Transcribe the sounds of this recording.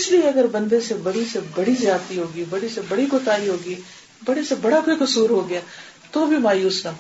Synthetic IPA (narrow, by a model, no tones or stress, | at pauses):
ɪslieɐɡəɾbɐ̃nd̪esebɐɽisebɐɽizjaːd̪t̪iɦoːɡibɐɽisebɐɽiɡoːt̪aːɾiɦoːɡiː | bɐɽesebɐɽakoikʊsuːɾɦoːɡɪjaːt̪obʱimaːjuːsnɐ